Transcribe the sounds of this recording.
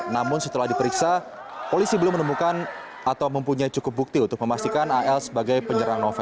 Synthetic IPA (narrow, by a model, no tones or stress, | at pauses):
namʊnsət̪əlahdipəɾiksa | polisibəlʊmənəmukan | at̪awməmpuɲait͡ʃukʊp̚buk̚t̪iunt̪ʊk̚məmast̪ikanaʔɛlsəbaɡajpəɲəɾaŋnofɛ